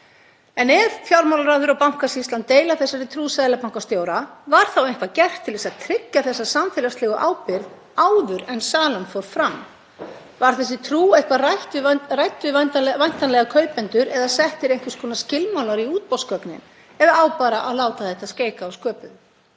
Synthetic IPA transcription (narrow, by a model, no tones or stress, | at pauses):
ɛnɛɾfjawɾmawlaɾaðʏɾawpawŋ̥kasist̪lant̪ːeːjlaθɛsːaɾɪt̪ʰɾuːsaðɪlapawŋ̥kawst̪joːwɾavaɾ̥θawejŋkvacɛr̥t̪ʰːɪlvɛsaðt̪ʰɾɪkːaθɛsːasamfɪlast̪lɪːɣʏʔaːwpɪɾð | aːwðʏɾɛnsaːlanfɔɾfɾamː | vaɾ̥θɛs̬ːɪt̪ʰɾuːejhkvaraht̪ʏrajt̪ʏvant̪avajn̥t̪anlɛɣakʰœɥpɛnt̪ʏɾɛðasɛht̪ɪɾejŋ̥kvɪ̥skʰɔːnascɪlmawlaɾiuːt̪̚pɔwskœknɪ̰n | ɛðaaːwpaːɾaʔaðlaːwt̪aθɛht̪asceːjkaːwskœːpʏ